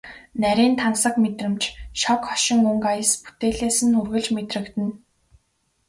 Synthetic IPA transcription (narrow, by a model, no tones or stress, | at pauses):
næɾʲiːnt̪ʰansə̆kmet̪rɘ̆mt͡ɕʃɔkχɔʃɪ̆ŋuŋkajə̆spu̥t̪eːɮeːsɘ̆nxurɣɘ̆ɮt͡ɕmet̪rɘ̆kt̪ɘ̆n